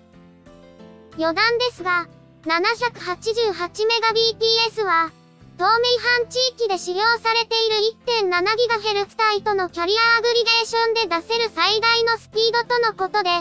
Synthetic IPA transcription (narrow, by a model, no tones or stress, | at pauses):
jo̞d̪ãnd̪e̞sɨɡa | nanaçʲakɯ̟̥hat͡ɕiʑɨːɦat͡ɕime̞ɡabʲiːtʲiːesɨβa | t̪o̞ːmeiɦãɲ̟t͡ɕiːkʲid̪e̞ɕijo̞ːsaɾe̞t̪e̞iɾɯ̟it̪ːẽ̞nːanaɡʲiɡaɦe̞ɾɯ̟kɯ̟̥t̪ait̪o̞no̞kʲaɾʲiaːɡɯ̟ɾʲiɡ̪e̞ːɕõ̞nd̪e̞d̪ase̞ɾɯ̟said̪aino̞sɨ̥pʲiːd̪o̞t̪o̞no̞ko̞t̪o̞d̪e̞